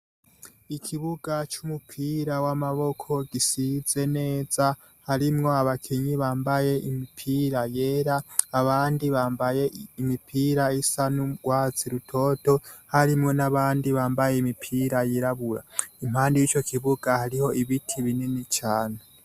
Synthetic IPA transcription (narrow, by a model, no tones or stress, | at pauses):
ikʰiβuɡat͡ʃumupʰiːɾawamaβo̞kʰo̞ɡ̥isiz̥e̞ne̞ːz̥a | haɾimŋo̞aβakʰeɲiβaːmbaje̞ʔimipʰiːɾaje̞ːɾaːβaːndiβaːmbaje̞imipʰiːɾaisanuɡwaːt͡siɾutʰo̞to̞haɾimŋo̞naβaːndiβaːmbaje̞imipʰiːɾajiɾaβuɾa̰im̥haːndijit͡ʃo̞kʰiβuɡ̥ahaɾiho̞iβitʰiβininit͡ʃaːne